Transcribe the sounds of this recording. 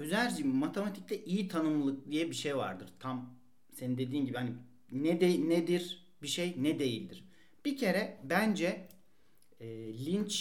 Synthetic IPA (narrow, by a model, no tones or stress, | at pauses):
øzæd͡ʒimat̪ʰemat̪ʰi̥c̚lʲɛʔijit̪ʰanɯmlˠɯklˠijɛbiʃejva̰ɾd̪ɯɾ̥t̪ʰam | se̞nind̪e̞d̪iːmɟibihani | nɛd̪enɛd̪iɾ | biʃejnɛd̪e̞jilʲd̪iɾ̥ | b̥icʰe̞ɾɛbænd͡ʒɛ | lʲint͡ʃ